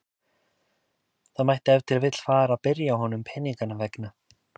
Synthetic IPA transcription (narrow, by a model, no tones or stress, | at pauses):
θaðmajht̪ɪɛvt̪ʰɪlavɪt̪l̥faːɾaðpɪɾjaːɦɔnʏmpʰɛːniŋkanavɛkna